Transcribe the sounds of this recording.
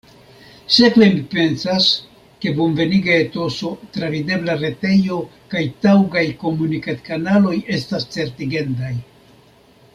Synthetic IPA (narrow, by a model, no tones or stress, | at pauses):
se̞kvemipe̞nsas | ke̞bonve̞niɡaeto̞so̞tɾavide̞blaɾe̞te̞jo̞kajtawɡajko̞munikatkanalo̞je̞stast͡se̞ɾtiɡe̞ndaj